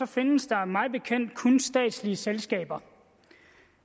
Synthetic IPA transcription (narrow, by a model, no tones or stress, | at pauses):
ɒ̽fe̝nəsd̥ɑ̈mɑ̈ɪb̥e̝kʰen̰d̥̚kʰɔ̽nsd̥ɛ̰ːd̥sliəselsɡ̥ɛ̰ːb̥ɐ